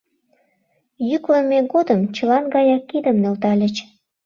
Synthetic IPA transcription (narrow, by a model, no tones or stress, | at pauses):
jykləmeɣod̪əmt͡ɕəlɑnɡɑjɑkːid̪əmnølt̪ɑlʲət͡ɕ